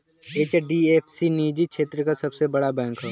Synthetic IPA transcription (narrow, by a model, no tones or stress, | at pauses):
eːt͡ʃɖieːpʰsiniːd͡ʒikʃeːt̪ɾəkasɐbsebɐɽabɛ̃ːŋkɦɛ